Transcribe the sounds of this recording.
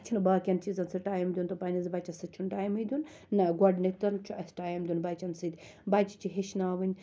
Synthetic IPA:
t͡ʃʰinbaːkʲɐnt͡ʃʰizɐnsɨʈaːjmd̪ʲunt̪ɐpanʲɐzbat͡ʃʰɐsɨt͡ʃʰunʈaːjmɨd̪ʲunː | ɐɡʷɔɖnik̚t̪ɐɾnt͡ʃʰuɐsʲʈaːjɐmd̪ʲunbaːt͡ʃʰɐnsɨd̪ʲ | baːt͡ʃi̥t͡ʃʰiɦeʃnaːʋɨnʲ

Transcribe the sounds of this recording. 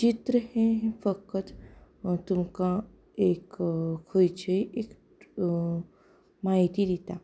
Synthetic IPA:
t͡ɕit̪ɾəhẽɦẽfəkət̪ | t̪umkã | ekkʰəjt͡ɕəjek | maɦit̪id̪it̪a

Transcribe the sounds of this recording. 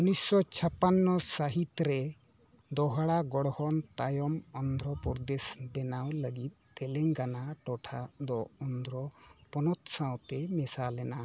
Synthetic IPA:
unisːɔt͡ʃʰapanːɔsaɦit̪ɾɛ | d̪ɔɦaɽaɡɔɽɔhɔnt̪ajɔmɔnd̪ʱɾɔpɔɾd̪esbɛnawləɡit̪̚t̪ɛlɛŋkanaʈɔʈʰad̪ɔɔnd̪ɾɔpɔnɔt̪sãwt̪ɛmɛsalɛna

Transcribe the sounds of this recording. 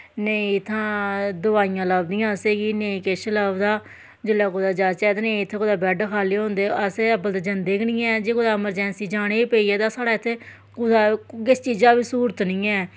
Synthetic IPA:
neĩt̪ʰːãːd̪ʊaːijãːləːbd̪ijãːseːɡiːneĩːkɪʃləːbd̪aː | d͡ʒɪlːɛːkoːd̪aːd͡ʒaːt͡ʃɛːd̪anẽiːɪt̪ʰːeːkʊd̪aːbɛːɖkʰaːliːɦõːnd̪eːəseəbəlt̪aːd͡ʒənd̪eːkʰnĩːɛɛːd͡ʒeːkod̪aːɪməɾd͡ʒɛ̃ːnsiːd͡ʒaːɽ̃eːiːpeːiːɛːt̪aːsaːɽaːɪt̪ʰːeː | kʊd̪aːkɪst͡ʃiːd͡ʒaːbiːsuːɾət̪nɪ̃ːɛː

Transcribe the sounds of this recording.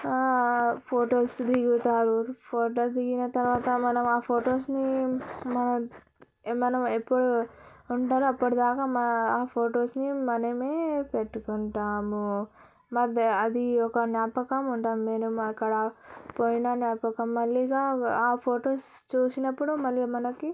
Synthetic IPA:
pʰoːʈoːsd̪iɡut̪aːɾupʰoːʈoːsd̪iɡinɐt̪ɐɾʋaːt̪ɐmɐnɐmaːpʰo̞ːʈo̞ːsnimɐnɐ | mɐnɐmepːuɽuːɳʈaːɾuɐpːuɽud̪aːkaːmɐaːpʰoːʈo̞ːsnimɐnɐmeːpe̞ʈːukuɳʈaːmu | mɐɐd̪iɔkɐnjaːpɐkɐmuɳʈaːmːe̞ːnumɐkːɐɽɐpoːjinaːnjaːpɐkɐmːɐlːiɡaːaːpʰoːʈoːs | t͡ʃuːsinɐpːuɽumɐlːimɐnɐki

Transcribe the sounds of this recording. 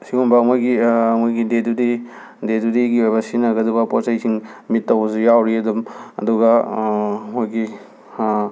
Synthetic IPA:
siumbɐmojɡimojɡidedudi | dedudiɡiojbɐsinɐɡɐdubɐpɔsɐjsʰiŋmitːɐwsujawɾiɐdumɐ̰duɡɐ | mojɡi

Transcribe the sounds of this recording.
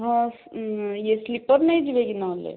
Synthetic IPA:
ɦãsjeslipəɾnəjd͡ʒiʋeɡinaɦlḛ

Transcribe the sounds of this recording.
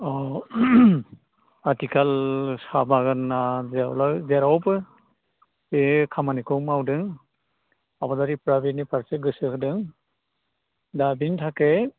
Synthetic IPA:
ɔ | atikalsabaɡanːazlazeɾawpɯ | ekʰamanikɔwmawdɯŋ | abadaɾipɾabinipaɾseɡɯsɯkdɯŋ | dabintʰake

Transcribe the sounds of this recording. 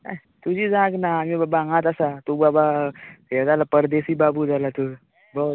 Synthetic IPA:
a̰ | t̪ud͡ʑiːd͡zaɡnaːmiabãŋɡãt̪asat̪ubaba | ad͡zalapəɾd̪esiːbabud͡zalat̪uɾ | bo

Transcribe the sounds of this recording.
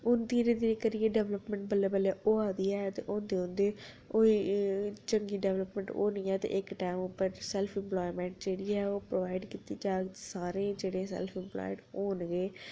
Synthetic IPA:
ʊnd̪iːɾeːd̪iɾekəɾieːɖɛːʋləpmɛ̃ːɳʈ̚bəlːeːbəleːʔoːaːd̪iːɛːt̪ḛːʔoːnd̪eːõnd̪eː | oːiːt͡ʃəŋɡiːɖɛːʋləpmɛ̃ːɳʈo̰ːnĩːɛːt̪ḛːʔɪkʈɛːmʊpːəɾsɛlpʰɪ̃mplɔːimɛ̃ːɳʈ̚d͡ʒeːɽiːɛːoːpɾoːʋaːɪɖkit̪iːd͡ʒaːɡ̪saːɾẽːd͡ʒeːɽẽːsɛ̰lpʰɪmplɔ̰ːʈoːnɡeː

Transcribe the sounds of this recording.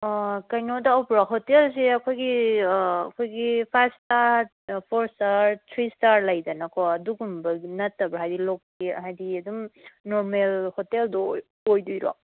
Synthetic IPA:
kɐjnodaɔpɾaɦotels̬eɐkʰojɡi | ɐkʰojɡipʰastaɾ | pʰoɾsaɾtʰɾistaɾlɐjdɐnakʰɔɐduɡumbɐɡnɐtːɐbɾaɦajdilokːiɐ̰ɦajdiɐdumnoɾmelhoteldɔ | ojdujɾo̰

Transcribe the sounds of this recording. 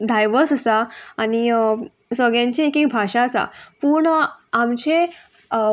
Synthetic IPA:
d̪ʱajʋəsəsaaɽ̃i | sʋəɡjãɲt͡ɕiekek̚bʱaɕaəsa̰puɳamt͡ɕe

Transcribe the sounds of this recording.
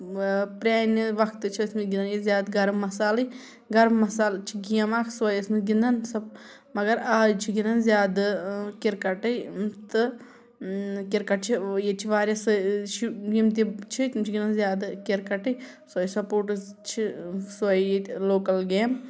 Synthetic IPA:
pɾʲaːniʋɐkʰt̪ɨt͡ʃʰiɐsmit̪ɡʲind̪njizʲjaːd̪ɡɐɾmːɐsaːlɨj | ɡɐɾmmɐsaːlt͡ʃʰiɡijɐmaːkʰswɐjɐsmit̪ɡʲind̪ɐnsɐb | mɐɡɐɾaːt͡ʃʰiɡinɐnzʲjaːd̪kiɾkɐʈɐjt̪ɨ | kiɾkɐʈ̚t͡ʃʰijet͡ʃʰiʋaːɾʲjasʃjimt̪it͡ʃʰit̪ʲimt͡ʃʰiɡʲinɐnzʲjaːd̪kiɾkɐʈɨj | sɐjsɐpoːɾʈɨt͡ʃʰiswɐjloːkɐlɡeːm

